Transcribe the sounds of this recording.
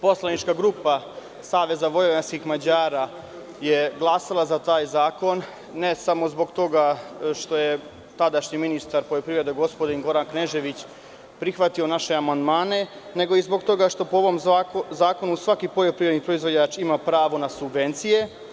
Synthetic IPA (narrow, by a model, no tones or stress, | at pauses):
po̞slˠanit͡ʃkaɡɾuːpa | saːʋe̞zaʋo̞jojanskixmad͡ʑaːɾa | je̞ɡlˠasalˠazat̪aːjzaːko̞nː | e̞samo̞zbo̞ɡt̪o̞ɡaʃt̪o̞je̞ | t̪ad̪aʃɲiminist̪aɾpo̞ʎo̞pɾivɾe̞d̪eɡo̞spod̪inɡo̞ɾankneʒe̞ʋit͡ɕ | pɾixʋat̪io̞naʃe̞amand̪maːne̞ | ne̞ɡo̞izbo̞ɡt̪o̞ɡaʃt̪o̞pooʋo̞mzaːko̞nusʋakipo̞ʎo̞pɾivɾe̞d̪nipɾo̞izvʋo̞d͡ʑat͡ʃimapɾaːʋonasubʋe̞nt̪sije̞